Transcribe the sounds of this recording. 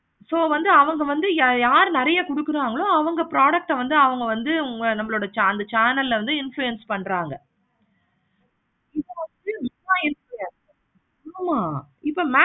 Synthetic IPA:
soːʋɐnd̪ɯɐʋɐŋɡɐʋɐnd̪ɯjaːɾnɪɾɐjɐkʊɽɯkːɯɾaːŋɡɐɭõːɐʋɐŋɡɐpɾaːɽɐk̚ʈɐʋɐnd̪ɯɐʋɐŋɡɐʋɐnd̪ɯʊŋɡɐnɐmːɐɭoːɽɐt͡ʃɐnd̪ɐt͡ʃaːnɐlːʋɐnd̪ɯɪnflujɛnspɐɳːɾaːŋɡɐ | ɪðɐʋɐnd̪ɯm | aːɪnflujɛnsː | maːɪpːomaː

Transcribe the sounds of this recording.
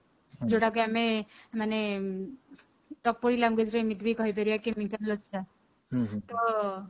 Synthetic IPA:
d͡ʒoʈakojamemane | ʈɔpːɔɽilaŋɡwed͡ʒɾemit̪bʱikɔɦip̬eɾujakemikanlɔt͡ʃa | t̪ɔ

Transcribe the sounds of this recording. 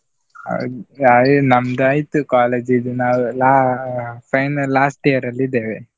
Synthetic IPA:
ɐ̰d̪anɐmd̪ɐaːjt̪ːukaːleːd͡ʒid̪unaːwlaːpʰɐjnɐlːaːsʈijɐɾɐlːid̪eːʋe

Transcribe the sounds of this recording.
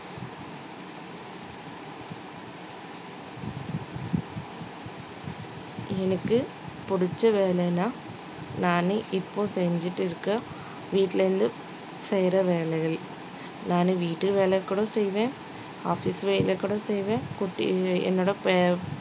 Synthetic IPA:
ɛnɐkːɯ | pʊɽɪt͡ʃːɐʋeːlɛnaː | naːnɯʔɪpːoːsɛɲd͡ʒɪʈːɯɪɾɯkːɐ | ʋiːʈːɪlɐɾɯnd̪ɯ | sɛjɾɐʋeːlɛɪɣɐɭ | naːnɯʋiːʈːɯʋeːlɛɣɐkːɐɽõːsɛjʋẽː | aːfisʋejɪlɐkːɐɽõsɛjʋẽːkʊʈːɛ̰nːoːɽɐpe

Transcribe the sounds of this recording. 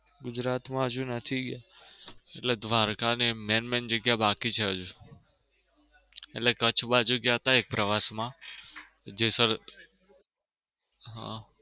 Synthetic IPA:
ɡʊd͡ʒɾat̪mãɦəd͡ʒũnət̪ʰiɡja | eʈled̪ʋaɾkanemenmend͡ʒəɡjabakit͡ʃʰeɦəd͡ʒu | eʈlekət͡ʃʰbad͡ʒoɡjaɦət̪aek̚pɾəʋasmã | d͡ʒesəɾ | ɦã̰

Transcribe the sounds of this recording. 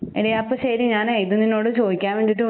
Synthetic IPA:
eɽijapːɐɕɐɾiɲaːnejt̪ɨninːo̞ːɽɨt͡ɕo̞ːd̪ikʲːaːnʋeːɳɖiʈːɨ

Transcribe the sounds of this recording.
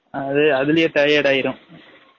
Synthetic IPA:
ɐðɯɐðɪlɪjɐʈɐɪjeːɽaːjɪɾɯ̃m

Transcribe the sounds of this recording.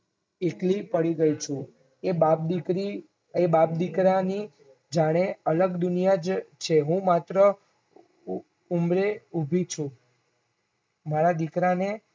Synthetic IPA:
eklipəɽiɡəit͡ʃʰũ | ebap̚d̪ikɾi | ebap̚d̪ikɾani | d͡ʒaɽ̃eələɡd̪ʊnijad͡ʒt͡ʃʰeɦũmat̪ɾə | umɾeubʱit͡ʃʰũ | maɾad̪ikɾane

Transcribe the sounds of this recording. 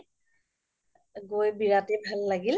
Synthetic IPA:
ɡojbiɹatebʱalːaɡil

